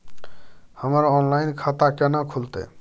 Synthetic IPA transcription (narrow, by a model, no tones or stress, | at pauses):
həmaɾɔnlajnkʰat̪akɛnakʰult̪ḛ